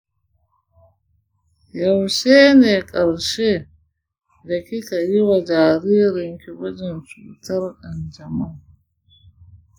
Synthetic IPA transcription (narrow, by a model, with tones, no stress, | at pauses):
ja˨wʃeː˦neː˨kʼɐ˨ɾʃeː˦ | da˨ki˦ta˨jɪ˦wa˨d͡ʒaː˨ɾiː˦ɾɪ˨ŋkʲi˨wɐ˦d͡ʒɛ˨nfi˨tɐ˦ɾʔa˨nd͡ʒɐ˨ma˦ŋ